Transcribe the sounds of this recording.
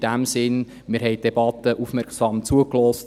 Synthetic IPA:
d̥æmsɪn | mɪɾɦɛɪt̚deb̥ɑtəʔufmɛɾksɑːmt͡suəklɔːst

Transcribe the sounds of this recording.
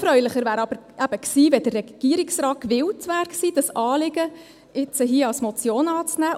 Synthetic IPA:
fɾœʏlɪχəɾvæːɾɑb̥əɾʔæb̥əksiːvɛd̥ərːɛɡ̥iːəɾɪksrɑːt̚kʋɪwtvæːɾksiːd̥ɑsɑːlɪɡ̥ə | ɪt͡səɦiəɑsmɔt͡sjoːnɑːt͡snæː

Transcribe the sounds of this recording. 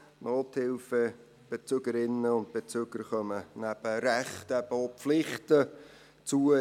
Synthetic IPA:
noːthɪlfə | b̥et͡søɡəɾɪnəʊnd̚b̥et͡søɡ̥əɾχœmənæb̥əɾɛχtɛb̥əopflɪχtə | t͡suə

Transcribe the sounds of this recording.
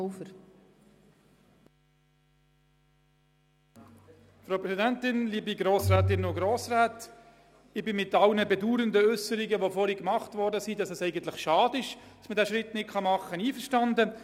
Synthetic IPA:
fəɾ | fɾopɾɛsidæntɪnliːbiɡɾoːsɾæːt̪ɪnːoɡɾoːsɾæːt | ɪbɪmɪtɑlnəbɛduːɾəndəʏsəɾiɡəʋofɔɾikmɑχtvɔɾdəsidɑsɛsɛɪɡənt̪lɪχʃɑːdɪʃd̥ɑsmədæːʃʁɪtnɪt̚kχɑmɑχːəniːfəɾʃtɑndə

